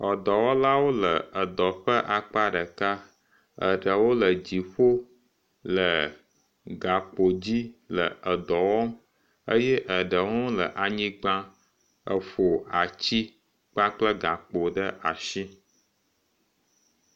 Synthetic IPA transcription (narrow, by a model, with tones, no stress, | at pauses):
ɔ˨d̪ɔ˨wɔ˦la˦wo˦lə˨ə˨d̪ɔ˨ɸə˦ʔa˨k͡pa˦ɖə˨ka˦ | ə̰˨ɖə˨wo˦lə˨d͡ʑi˨ɸo˦ | lə˨ | ɡa˨k͡po˨d͡ʑi˦lə̰˨ə˨d̪ɔ˨wɔ˦ | ə˦jɛ˦ʔə˨ɖə˨ŋɔ̃˦lə̰˨ʔa˨ɲĩ˦ɡ͡bã˦ | ə˨ɸo˨a˨t͡ɕi˦ | k͡pa˦k͡plə˦ɡa˨k͡po˨ɖə˦ʔa˨ʃi˦